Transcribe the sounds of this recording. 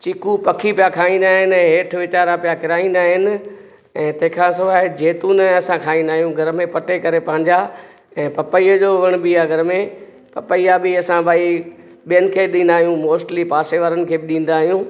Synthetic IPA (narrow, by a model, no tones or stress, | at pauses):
t͡ɕɪkupɐkʰipijakʰaːĩnd̪aːɦɪnɪɛ̃ːɦeːʈʰʋɪt͡ɕaːɾapijakɪɾaːĩːn̆d̪aːɦɪnɪ̆ | ɛ̃ːt̪ɐ̃ɦɪ̃kʰãs̬ʊʋaːɦed͡ʑeːt̪unəɐsãkʰaːĩnd̪aːɦijũɡʱɐɾmẽpɐʈekɐɾepɐ̃ɦɪ̃ɲd͡ʑa | ɛ̃ːpɐpəiːəd͡ʑoːʋɐɽ̃bɪːaɡʱɐɾmẽ | pɐpəiabɪɐsãbʱaːi | ɓijənɪ̆kʰeːɗĩːnd̪aːɦijũmoːsʈlipaːseʋəɾənɪ̆kʰeːbɪɗĩːn̆d̪aːɦijũ